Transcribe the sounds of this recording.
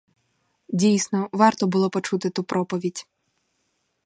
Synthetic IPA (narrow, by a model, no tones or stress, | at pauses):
dʲijsnɔʋɑrt̪ɔbʊlˠɔpɔt͡ʃut̪ɪt̪upɾʔɔpɔʋʲidʲ